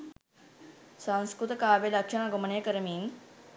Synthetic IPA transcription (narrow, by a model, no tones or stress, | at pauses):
sãñskɾut̪kaːʋelɐkʂɐnaɡomɐɳeːkɐɾmiːn